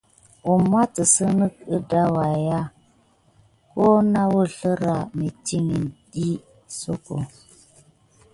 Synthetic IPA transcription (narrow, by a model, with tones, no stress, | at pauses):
u˨m˦a˦tə˨sə˦nə˦k̚ɨ˦da˦wa˨ja˦ | ko˦na˦wə˦ɬə˦ɾa˨mi˨ti˦ŋi˨nɗi˦ | so˦ko˨